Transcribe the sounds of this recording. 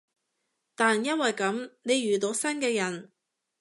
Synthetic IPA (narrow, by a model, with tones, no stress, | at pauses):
t̪aː˨njɐ˥nwɐ˨jkɐ˨˥mne˨˧jɥyː˨t̪o˨˥wsɐ˥nkɛː˧jɐ˨˩n